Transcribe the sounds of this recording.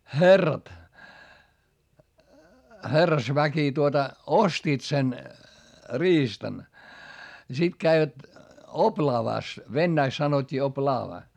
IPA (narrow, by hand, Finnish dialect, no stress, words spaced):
xerːɑt herːɑsʋæki tuotɑ ostiːt sen riːstɑn jɑ sit kæiʋæt oplɑːʋɑˑs ʋenːæiks sɑnotʲːiː oplɑːʋɑ